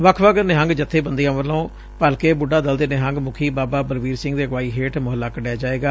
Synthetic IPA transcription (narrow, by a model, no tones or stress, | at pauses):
ʋəkʰʋəɡəneɦə̃ŋɡd͡ʒət̪ʰːeːbənd̪ijãːʋəlõː | pəlkeːbʊɖãːd̪əld̪eːneɦə̃ŋɡmʊkʰiːbaːbaːbəɾʋiːɾsɪ̃ŋɡd̪eːəɡʋaːiːɦeːʈmʊɦəlːaːkəɖjaːd͡ʒaːeːɡaː